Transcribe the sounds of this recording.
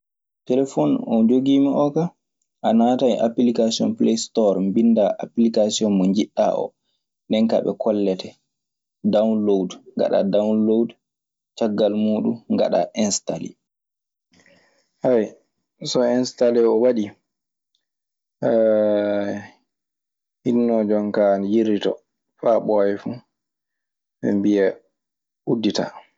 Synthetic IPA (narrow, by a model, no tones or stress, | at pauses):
tɛlɛfɔnɔd͡ʒoɡiːmiʔɔka | ʔanataiʔapilikasiɔ̰nplejstɔɾmbindaʔaplikasiɔnmɔɲd͡ʒiɗːa̰ʔɔ̰ | ndɛnka̰ɓɛ̰kʰɔlːɛtɛ | dawnlowdŋɡa̰ɗa̰dawnlowd | t͡ʃaɡːalmuːɗuŋɡa̰ɗa̰ʔɛnstalḭ | haj | sɔɛnstalɛɔwaɗi | hinːɔd͡ʒɔŋkanjiɾitɔ̰ | faɓɔɛfu | ɓɛ̰mbiɛ | ʔudːita̰